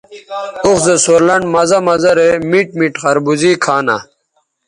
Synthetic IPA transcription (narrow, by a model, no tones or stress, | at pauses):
uxzesoːɾlɐɳɖmɐzɐmɐzɐɾemiʈ̚miʈχɐɾbuziːkʰaːna̰